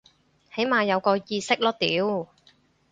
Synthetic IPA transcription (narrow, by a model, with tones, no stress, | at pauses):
he˨˥jmaː˧jɐ˨˧wkɔː˧jiː˧sɪ˥k̚lɔː˥t̪iː˨˥w